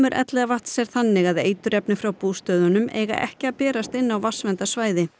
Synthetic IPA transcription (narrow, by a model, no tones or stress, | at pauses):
mʏɾʔɛ̰t̪lɛɣavaht̪sɛɾ̥θanːɪɣaðḛːjt̪ʏɾɛpnɪfɾawpuːst̪œːðʏnʏmʔɛ̰ːɣa̰ʔɛ̰hcɪaðpɛːɾast̪ɪnːawvasvɛnt̪asvaːjðɪ